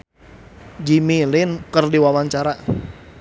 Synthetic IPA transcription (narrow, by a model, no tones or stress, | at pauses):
d͡ʒimilɪnkərdiwawaɲt͡ʃaɾa